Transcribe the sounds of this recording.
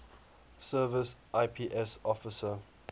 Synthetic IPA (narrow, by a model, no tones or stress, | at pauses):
səːvɪsʔaɪpʰiːʔɛsɔfɪsə